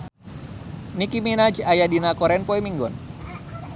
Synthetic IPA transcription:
nikiminad͡ʒiajadinakɔɾɛnpɔimiŋɡɔn

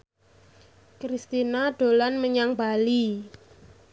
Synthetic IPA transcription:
kɾist̪inaɖ̥o̤lanməɲaŋbali

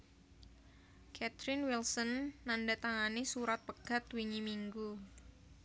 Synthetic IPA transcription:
kʰɛt̪ɾɪnwilsɔnːandat̪aŋanisuɾat̪̚pəɡ̥at̪wiɲimiŋɡu

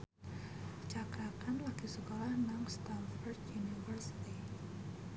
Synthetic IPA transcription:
t͡ʃakakanlakisəkolahnaŋst̪anfɔrd̪junifərsi̥t̪i

